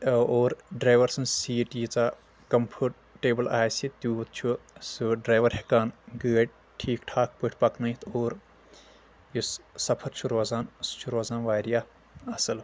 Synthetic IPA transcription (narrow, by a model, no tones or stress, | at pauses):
oːɾɖɾaːjʋɐɾsɐnsiːʈjit͡saː | kɐmpʰuːʈ̚ | ʈːeːbɐlaːjsit̪uːt̪̚t͡ʃʰusuɖɾaːjʋɐɾhekaːnɡəːʈ̚ | ʈʰiːkʈʰaːk̚pɨʈʰʲpɐknɐjt̪ʰoːɾ | jussɐpʰɐɾt͡ʃʰuɾoːzaːnst͡ʃʰuɾoːzaːnʋaːɾijaː | ɐsɨl